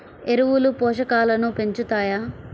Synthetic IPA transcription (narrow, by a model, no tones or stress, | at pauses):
e̞ɾuwulupɔːʃɐkaːlɐnupe̞ɲt͡ʃut̪aːjaː